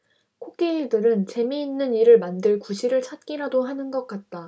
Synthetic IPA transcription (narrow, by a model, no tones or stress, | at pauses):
kʰok͈eiɭdɯɾɯnt͡ɕe̞miːnːɯniɾɯɭmandɯɭkuɕʰiɾɯɭt͡ɕʰat̚k͈iɾadoɦanɯnɡʌk͈at̚t͈a